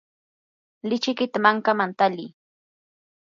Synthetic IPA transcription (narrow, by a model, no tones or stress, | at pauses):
lɪt͡ʃɪkɪt̪amaŋkamant̪aliː